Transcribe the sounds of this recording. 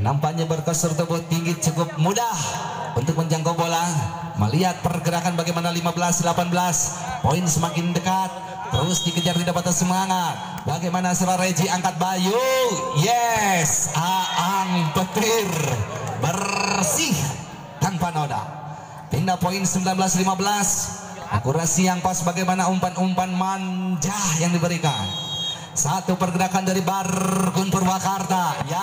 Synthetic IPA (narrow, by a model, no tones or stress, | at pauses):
nampaɲabərkɔsɔrt̪̬əbʊt̪ːiŋɡit͡ʃukʊp̚mudah | unt̪ʊk̚məɲd͡ʒaŋkobola | mə̰liat̪̚pərɡəɾakanbaɡajmanalimabəlasdəlapanbəlas | poinsəmakɪndəkat̪̚ː | əɾʊsdikəd͡ʒart̪idapat̪ansəmaŋat̪̚ | baɡajmanasəɾaɾad͡ʒiaŋkat̪̚bajujɛsaaŋpət̪ɪrbərsɪh | t̪aŋpanoda̰ | p̪indapoinsəmbilanbəlaslimabəlas | ʔa̰kuɾasiaŋpasbaɡajmanaumpanumpanmand͡ʒahjaŋdibəɾika̰n | sat̪upərɡənakandaɾibarkʊnpurwakart̪aja